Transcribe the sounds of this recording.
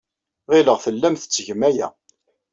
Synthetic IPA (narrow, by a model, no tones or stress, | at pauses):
ʁiləʁθəlːæmθə̥t͡sːʝəmæjæ̰